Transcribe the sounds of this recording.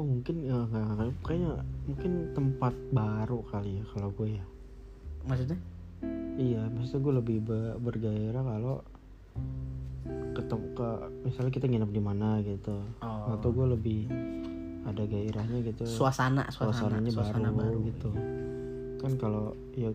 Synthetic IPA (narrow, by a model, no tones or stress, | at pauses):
ohmuŋkɪnaŋɡaʔŋakaakaɲamuŋkɪnt̪əmpat̪̚baɾukalijakaloɡuaja | mas̬uɲa | ijamasut̪aɡualəbɪhbəbərɡaiɾakalo | kət̪əkəmisalɲakit̪aŋinap̚dimanaɡit̪uŋat̪oɡualəbɪh | adaɡaiɾahɲaɡit̪usuasana̰suasanaɲabaɾuɡit̪u | kankalo | ja